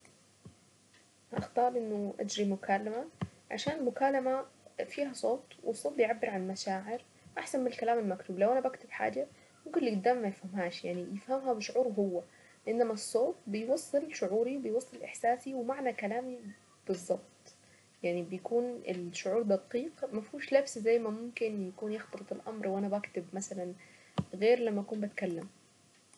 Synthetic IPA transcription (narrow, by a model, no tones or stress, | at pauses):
ʔɑ̰xt̪ˤɑːɾˤʔɪnːʊʔa̰d͡ʒɾimʊkʰaːlːama | ʕa̰ʃaːnlmʊkaːlamafiːɦasˤoːt̪ˤwʔɪsˤːoːt̪̚bɪjʕabːɪɾʕanmaʃaːʕɪɾ | ʔaħsanmɪnɪlkalaːmɪlmakt̪uːblawʔanabakt̪ɪbħa̰ːd͡ʒa | mʊmkɪnliɡʊd̪ːaːmmajɪfhamɦaːʃjaʕnijɪfhamɦabɪʃʊʕuːɾɦʊwːa | lɪʔɪnːamasˤːoːt̪̚bɪjwɑsˤːɨlʃʊʕuːɾiwbɪjwɑsˤːɨlʔɪ̰ħsaːsiwmaʕnakalaːmi | b̥ɨzˤːɑb̚t̪ˤ | jaʕnibɪjakuːnɪ̰lʃʊʕuːɾˤd̪ɑqiːqmafuːʃlabszajːmamʊmkɪnjakuːnjɪxt̪ɑlɨt̪ˤɪlʔa̰mɾˤwʔanabakt̪ɪbmasalan | ɣeːɾlamːaʔakuːmbat̪kalːam